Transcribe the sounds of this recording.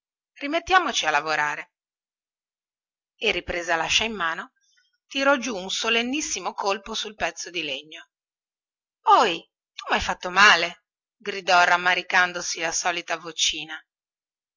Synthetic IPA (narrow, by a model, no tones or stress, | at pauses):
rimet̪ːjaːmot͡ʃialːavoɾaːɾe | erːipɾeːzalaʃːaimːaːno | t̪iɾɔd͡ʒuunsolenːisːimokolposulpɛt̪sːod̪ileɲːo | ɔj | t̪umajfat̪ːomaːle | ɡɾid̪ɔramːaɾikand̪osilasɔːlit̪avot͡ʃiːna